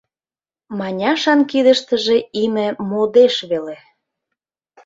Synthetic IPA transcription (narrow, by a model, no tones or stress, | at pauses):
mɑnʲɑʃɑnkid̪ə̆ʃt̪ə̆ʒeimĕmod̪eʃβele